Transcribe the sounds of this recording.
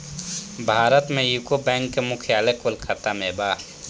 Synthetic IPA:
bʱaːɾət̪mẽjukobɛ̃ːŋkːemʊkʰjaːlekolkʰət̪ameːbaː

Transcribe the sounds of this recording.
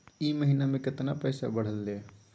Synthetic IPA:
iməɦinamẽkɪt̪napɛɪsa̰bəɽ̤əlːe

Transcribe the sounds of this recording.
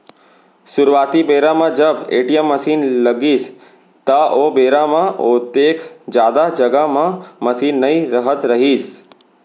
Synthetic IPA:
sʊɾʋaːt̪ibeːɾamãd͡ʒəbeːʈijəmːəsiːnləɡiːs | t̪aʔobeːɾamãʔot̪ekʰd͡ʒjaːd̪ad͡ʒəɡamãməsiːnːəiɾəɦət̪ɾəɦiːs

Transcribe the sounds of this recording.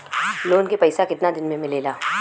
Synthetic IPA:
loːnkepɐɪsakɪt̪nad̪ɪnmẽmɪleːlaː

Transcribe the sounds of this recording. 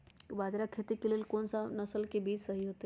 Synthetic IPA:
kbad͡ʒɾakʰet̪ikelelkonsanəsəlkebiːd͡ʒsəɦiɦot̪e

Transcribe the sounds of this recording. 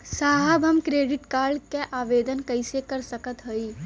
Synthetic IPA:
saːɦəbɦɐmkɾeːɖɪʈkaːɾɖkeʔaːʋeːd̪ənkɐɪsekɐɾsɐkət̪ɦoi

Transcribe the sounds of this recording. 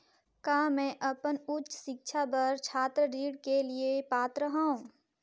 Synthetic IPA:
kaːmɛ̃ːʔɐpənʊtːt͡ʃʃɪk̚t͡ʃʰabɐɾt͡ʃʰaːt̪ɾəɾiːɽkeliepaːt̪ɾəɦaːɦũː

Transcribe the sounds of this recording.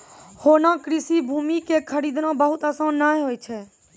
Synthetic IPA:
hoːnãːkɾɪsiːbʱuːmiːkeːkʰəɾiːd̪nãːbəɦʊt̪əsãːnaːeɦoːjt͡ʃʰɛː

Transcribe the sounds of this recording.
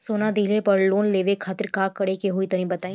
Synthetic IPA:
soːnad̪iɦlepəɾloːnleːʋekʰaːt̪ɪɾkaːkəɽekeɦʊit̪ɐɾĩbɐt̪aːĩ

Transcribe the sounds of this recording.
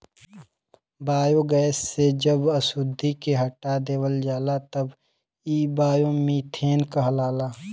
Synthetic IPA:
baːjoɡɛːsːed͡ʒəbɐsud̪ʱːikeɦɐʈad̪eːwəld͡ʒaːlat̪ɐb | iːbaːjõmit̪ʰeːnkɐɦlaːlaː

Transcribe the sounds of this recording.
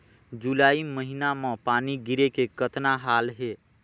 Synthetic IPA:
d͡ʒulaːiməɦinamãpaːniɡɪɾekekət̪naɦaːlɦeː

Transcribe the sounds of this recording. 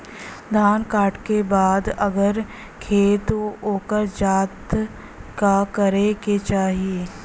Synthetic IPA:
d̪ʱaːnkaːʈkebaːd̪ɐɡəɾ | kʰeːt̪ooːkəɾd͡ʒaːt̪ | kakɐɾeket͡ʃaːɦieː

